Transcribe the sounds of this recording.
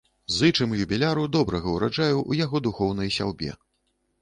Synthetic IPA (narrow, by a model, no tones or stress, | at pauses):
zɨt͡ʂɨmjubʲilʲaɾud̪ɔbɾɐɣɐwɾad͡ʐajuʔṵjaɣɔd̪uxɔwn̪ɐjsʲa̰wbʲɛ̰